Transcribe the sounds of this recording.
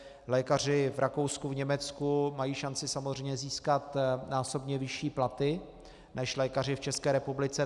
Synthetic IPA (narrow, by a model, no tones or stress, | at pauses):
lɛːkar̝ɪvɾʔako̞wskuvɲɛmɛt͡skumajiːʃant͡sɪsamozrɛjɲɛziːskat̪naːso̞bɲɛvɪʃiːplat̪ɪ | nʔɛʃlɛːkar̝ɪft͡ʃɛskɛːɾɛpublɪt͡sɛ